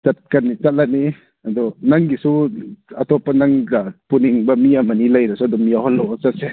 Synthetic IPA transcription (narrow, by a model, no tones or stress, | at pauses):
t͡ʃat̪̚kanit͡sat̚lani | ad̪ɔnaŋɡisuat̪ɔpanaŋɡapuniŋbamiamanilajɾasud̪ɔmiahɔlɔt͡sat̚sɛ